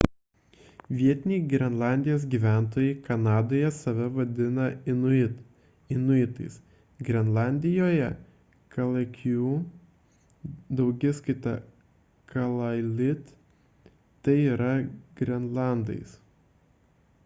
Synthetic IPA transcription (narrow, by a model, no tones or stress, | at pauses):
ʋʲiɛt̪ʲɪnʲiːɡɾʲɛnlˠɑˑnʲd̪ʲɪjoːs̬ɡʲiːʋʲæˑnt̪oːjɛɪkɐnɑːd̪oːjɛsɐʋʲɛʋɐd̪ʲɪnɐɪnʊɪt̪ | ɪnʊɪt̪ɐ̰ɪs | ɡɾʲɛnlˠɑːˑnʲd̪ʲɪjoːjɛ | kɐlˠɐkʲjuː | d̪ɐʊɡʲɪskɐɪt̪ɐ̰ | kɐlˠɐlʲɪt̪ | ɐɪiːɾɐɡɾʲɛnlˠɑˑnd̪ɐ̰ɪs